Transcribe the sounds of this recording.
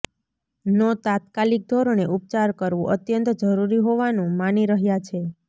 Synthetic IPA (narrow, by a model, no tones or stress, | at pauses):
nɔt̪at̪̚kalik̚d̪ʱoɾoneʔup̚t͡ʃaɾkəɾʋũʔət̪jənt̪d͡ʒəɾuɾiɦoʋanũmaniɾəɦjat͡ʃʰe